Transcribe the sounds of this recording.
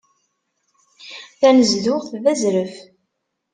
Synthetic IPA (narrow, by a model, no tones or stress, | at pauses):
θænəzðʊʁθvæzɾəf